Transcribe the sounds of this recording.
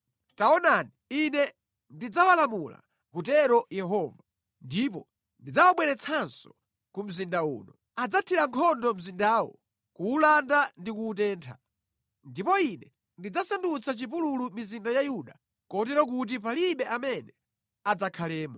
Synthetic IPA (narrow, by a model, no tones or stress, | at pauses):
taɔnaniinɛ | ndid͡zawalamula̰ | kutɛɾɔjɛɦɔːva | ndip̬ɔ | ndid͡zawaɓwɛɾɛt͡sʰansɔ̥ | kum̩zindaṵːnɔ | ad͡zatʰiɾaŋkʰɔndɔm̩zindaːwɔ̰ | kuːlandandikuːt̬ɛːntʰa̰ | ndipɔinɛ | ndid͡zasandut͡sʰat͡ʃip̬ululumizindajajuɗa | kɔtɛɾɔk̬ut̬ipaliɓɛʔamɛnɛ | ad͡zakʰalɛːmɔ